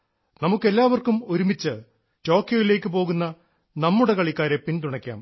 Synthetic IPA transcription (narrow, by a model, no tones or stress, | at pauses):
nɐmukːe̞lːaːʋɐrkumo̞ɾumit͡ɕːɨ | to̞ːkːjoːʋileːkːɨpo̞ːɣunːɐ | nɐmːuɽekɐɭikːaːɾe̞pint̪uɳɐkʲːa̰ːm